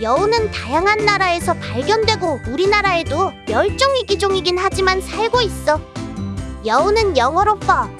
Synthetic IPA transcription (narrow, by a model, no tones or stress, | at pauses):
jʌonɯntajaŋɦanːaɾae̞sʰʌpaɭɡjʌndwe̞ɡouɾinaɾae̞domjʌɭt͡ɕ͈oŋiɡid͡ʑoŋiɡinhad͡ʑimansʰaɭɡois͈ʌ | jʌonɯnjʌŋwʌɾop͈ʌ